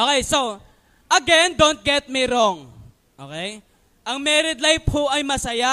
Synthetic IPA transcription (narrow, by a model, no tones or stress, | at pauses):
ʔokɛjso | ʔɐɡɛnd̪ont̪̚ɡɛt̪̚miɾoŋ | ʔo̰ːkɛj | ʔɐŋmɛɾɪd̪lajp̚hoʔɐjmɐsɐja